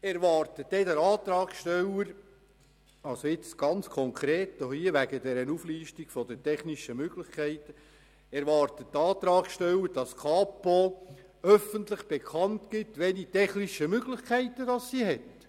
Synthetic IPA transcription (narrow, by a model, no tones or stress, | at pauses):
ɛɾʋɑːɾtəd̥ɛdəɾɑːt̪ɾɑːkʃtɛləɾ | ɑlsoɪt͡sɡ̥ɑnt͡skʰɔŋkʰɾeːtːohiəʋæɡədɛɾənufliːʃtiɡ̥fɔd̥ətʰɛχniʃəmøɡlɪχkʰæɪtə | ɛɾʋɑːɾtəttːɑːt̪ɾɑːkʃtɛləɾd̥ɑskʰɑːpo | œfənt̪lɪχb̥ekʰɑntɡ̥ɪtʋɛlitɛχniʃəmøɡlɪχkʰæɪtːəd̥ɑssiɦɛt